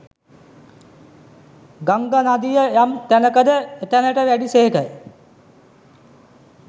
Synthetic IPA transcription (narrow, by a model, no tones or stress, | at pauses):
ɡaŋɡanad̪ijəjamt̪ænəkəd̪əet̪ənəʈəʋæɖiseɦekəj